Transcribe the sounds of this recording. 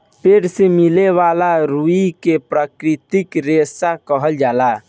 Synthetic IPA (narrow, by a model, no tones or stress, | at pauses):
peːʈsemileʋalaɾuikepɾakɾɪt̪ikɾesakəɦəld͡ʒaːla